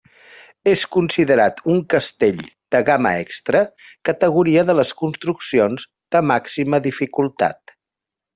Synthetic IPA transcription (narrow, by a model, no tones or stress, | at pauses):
eskunsiðəɾat̪uŋkəst̪eʎd̪̥əɣamə̰ɛ̰kst̪ɾəkət̪əɣuɾiəðələskunst̪ɾuksionz | d̪əmaksiməðifikulˠt̪a̰t̪